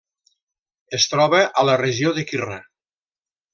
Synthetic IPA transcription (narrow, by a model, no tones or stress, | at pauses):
est̪ɾɔβəʔələreʒioðekira